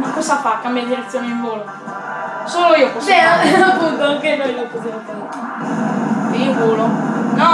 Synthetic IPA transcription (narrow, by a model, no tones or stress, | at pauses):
makːosafakːamiad̪iɾet̪sjoːneiɱvoːlo | soːloiːokoseɾɔapːunt̪oaŋkenojnokuzamot̪e | ivoːlonɔ